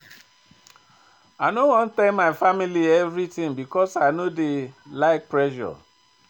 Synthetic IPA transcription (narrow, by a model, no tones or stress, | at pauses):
aɪnowɔ̃n̩tɛmaɪfamiliɛvɾitĩŋbikɔsaɪnodelaɪk̚pɾɛʃɔ̰